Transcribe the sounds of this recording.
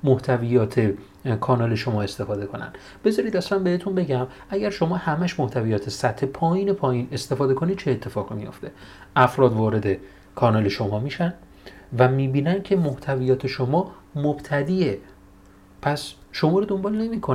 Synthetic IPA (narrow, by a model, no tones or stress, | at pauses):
moht̪ʰævijɒːt̪ʰe | kʰɒːnɒːle̞ʃo̞mɒːe̞st̪e̞fɒːd̪e̞kʰo̞næ̰nd̪ | b̥e̞zɒːɾiːd̪æslænbe̞het̪ʰunbe̞ɟæm | ʔæɟæɾʃo̞mɒːhæmæʃmoht̪ʰævijɒːt̪ʰesæt̪ʰhe̞pʰɒːjiːne̞pʰɒːjiːne̞st̪e̞fɒːd̪e̞kʰo̞nid̪̚t͡ʃʰeːt̪ʰːe̞fɒːɣimijo̞̰ft̪ʰe̞ʔæfɾɒːd̪vɒːɾe̞d̪e̞ | kʰɒːnɒle̞ʃomɒːmiːʃæn | væmiːbiːnæncʰe̞moht̪ʰæviːjɒːt̪ʰe̞ʃomɒː | mob̥t̪ʰæd̪iːe | pʰæsʃo̞mɒːɾod̪ombɒːlne̞miːkʰon